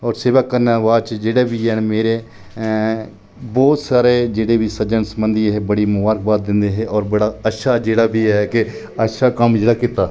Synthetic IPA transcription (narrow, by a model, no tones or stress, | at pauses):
ɔːɾseːʋakːəɾnaːʋaːd̪t͡ʃd͡ʒeːɽeːbiːɦɛːnmeːɾeː | bɔːt̪saːɾeːd͡ʒeːɽeːʋiːsəd͡ʒənsəmənd̪iɦeːbəɽiːmʊʋaːɾk̚baːt̪̚d̪ɪnd̪eːɦeːʔɔːɾbəɽaːəʃʰaːd͡ʒeːɽaːbiːɛkɪ | əʃaːkəmd͡ʒeːɽaːkɪt̪ːaː